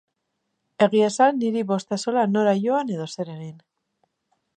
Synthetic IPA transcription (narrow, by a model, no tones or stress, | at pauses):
e̞ɣiesanːiɾiβo̞st̪aso̞lano̞ɾaʝo̞ane̞ðo̞se̞ɾeɣin